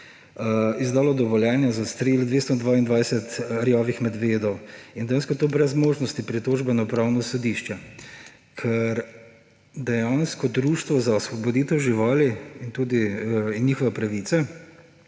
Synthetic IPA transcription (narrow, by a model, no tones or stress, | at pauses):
izd̪aːlɔd̪ɔʋɔljɛːnjazast̪ɾeld̪ʋeːst̪ɔd̪ʋaːind̪ʋajsɛt̪ɾjɔːʋixmɛd̪ʋeːd̪ɔwind̪ɛjanskɔt̪oːbɾɛzmoːʒnɔst̪ipɾit̪oːʒbɛnɔpɾawnɔsɔd̪iʃt͡ʃɛ | kʰɛɾ | d̪ɛjanskɔd̪ɾuːʃt̪ʋɔzaɔsʋɔbɔd̪iːt̪ɛwʒiʋaːliint̪uːd̪iinnjiːxɔʋɛpɾaʋit̪sɛ